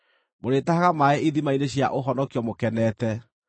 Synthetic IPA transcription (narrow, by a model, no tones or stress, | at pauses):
moɾetahaɣamaɛʔiðimaineɕja̰ʔoɦɔnɔkiɔmokɛnɛːtɛ